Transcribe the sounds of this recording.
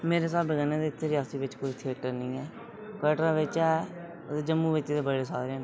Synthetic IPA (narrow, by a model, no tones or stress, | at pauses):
meːɾeːs̬aːbəɡəːnːẽːd̪eːɪt̪ʰːeːɾɪaːsiːʋɪt͡ʃkoit̪ʰɪəkʈəɾnĩːɛː | kəːʈɾãːʋɪt͡ʃɛː | ed͡ʒəmːũːʋɪt͡ʃːt̪eːbəɽeːsaːd̪ɾɛːnː